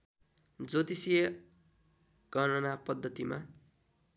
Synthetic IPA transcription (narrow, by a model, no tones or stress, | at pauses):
d͡zot̪isijʌ | ɡ̥ʱʌnʌnapʌd̪ːʌt̪ima